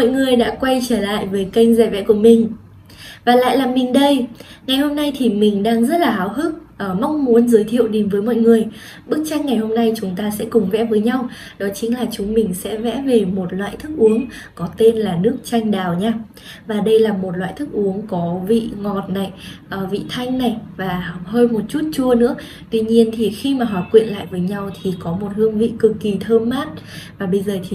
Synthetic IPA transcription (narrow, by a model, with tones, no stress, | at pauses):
mɔ̰˧˨jŋɨ˨˩əjɗa̰ː˧˥kwa˧jt͡ɕəː˧˩la̰ː˧˨jvəː˨˦jkə˧jŋ̟zɛ˧˩vɛ̰˧˥ku˧˩əmï˨˩ŋ̟ | vaː˨˩la̰ː˧˨jlaː˨˩mːï˨˩ŋ̟ɗə˧jŋa˨˩jho˧mna˧jt̪ʰi˨˩mï˨˩ŋ̟ɗaː˧ŋzə˦˥t̚laː˨˩aː˨˦wɦɨ˦˥k̚ʔəː˧˩ma˨˧wŋ͡mmu˨˦ənzəː˨˦jt̪ʰḭ˧˨əwɗe˨˦mvəː˨˦jmɔ̰˧˨jŋɨ˨˩əj | ɓɨ˦˥ək̚t͡ɕa˧˦˥jk̟ŋa˨˩jho˧mna˧jt͡ɕʊ˨˦ŋ͡mt̪aː˧sɛ̰˧˥kʊ˨˩ŋ͡mvɛ̰˧˥vəː˨˦jɲa˧w | ɗɔ˨˦t͡ɕï˨˦ŋ̟laː˨˩t͡ɕʊ˨˦ŋ͡mmï˨˩ŋ̟sɛ̰˧˥vɛ̰˧˥ve˨˩mo˨˩t̚lwa̰ː˧˨jt̪ʰɨ˦˥k̚ʔu˨˦əŋ | kɔ˨˦t̪e˧nlaː˨˩nɨ˦˥ək̚t͡ɕa˧jŋ̟ɗaː˨˩wɲaː˧ | vaː˨˩ɗə˧jlaː˨˩mo˨˩t̚lwa̰ː˧˨jt̪ʰɨ˦˥k̚ʔu˨˦əŋkɔ˨˦vḭ˧˨ŋɔ˨˩t̚na˨˩jʔəː˨˩vḭ˧˨t̪ʰa˧jŋ̟na˨˩jvaː˨˩ɦəː˧jmo˨˩t̚t͡ɕu˦˥t̚t͡ɕu˧ənɨ̰˧˥ə | t̪wi˧ɲi˧ənt̪ʰi˨˩xi˧maː˨˩ɦɔː˨˩kwḭ˧˨ənla̰ː˧˨jvəː˨˦jɲa˧wt̪ʰi˨˩kɔ˨˦mo˨˩t̚hɨ˧əŋvḭ˧˨kɨ˨˩kːi˨˩t̪ʰəː˧mːaː˦˥t̚vaː˨˩ɓə˧jzəː˨˩t̪ʰi˨˩